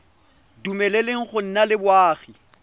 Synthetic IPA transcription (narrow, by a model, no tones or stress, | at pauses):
dumɛlɛleŋ̩χʊn̩nalɪbwaːɣi